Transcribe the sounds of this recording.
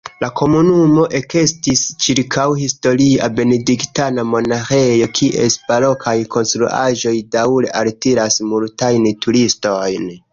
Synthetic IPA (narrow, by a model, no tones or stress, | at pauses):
lakʰo̞munumo̞ʔe̞ke̞stist͡ʃiɾkʰawhisto̞ɾiabe̞ne̞diktanamo̞naxe̞jo̞kʰiʔḛsbalo̞kʰajkʰo̞nstɾuʔa̰ʒo̞jdawɾe̞̰ʔaltiɾasmultajntuɾisto̞jn